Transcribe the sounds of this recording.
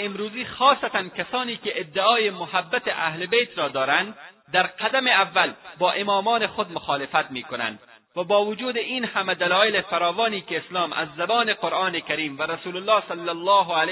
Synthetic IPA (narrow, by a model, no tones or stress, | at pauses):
ɪmɾuːziːxɒːsat̪ankasɒːniːkeʔːd̪ːɪɒːjemʊhabːat̪eʔa̰hlebejt̪ɾɒːd̪ɒːɾand̪ | d̪aɾqad̪ameavːalbɒːʔemɒːmɒːnexod̪mʊxɒːlɪfat̪miːkona̰nd̪ | vabɒːvʊd͡ʒuːd̪einhamad̪alɒːelefaɾɒːvɒːniːkeːslɒːmʔa̰zːabɒːneqoɾʔɑːnekaɾiːmvaɾasuːlʊlːɒːsalːalˠˤːɒːɦal